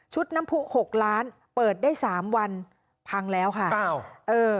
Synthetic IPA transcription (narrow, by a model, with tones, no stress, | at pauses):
t͡ɕʰu˦˥t̪̚na˦˥mpʰu˦˥ho˨˩k̚ɾaː˦˥n | pɤː˨˩t̪̚daː˥˩jsaː˩˦mwa˧n | pʰa˧ŋlɛː˦˥wkʰa˥˩˥ʔɤː˧